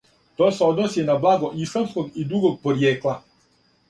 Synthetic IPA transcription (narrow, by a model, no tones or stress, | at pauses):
t̪oːseo̞d̪nosjenablˠaɡo̞ʔislamsko̞ɡid̪ɾuɡo̞ɡ̚poɾjeːkla